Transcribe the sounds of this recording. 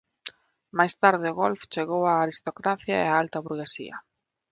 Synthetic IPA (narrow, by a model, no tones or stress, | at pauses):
majst̪aɾðɪʊɣolft͡ʃeɣowaːɾist̪okɾaθjaḛaalt̪ɐβuɾɣesḭɐ̰